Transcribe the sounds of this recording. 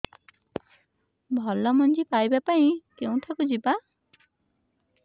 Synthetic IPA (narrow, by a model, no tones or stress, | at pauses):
bʱɔlɔmɔnd͡ʒipajbapaĩkeũʈʰakud͡ʒiba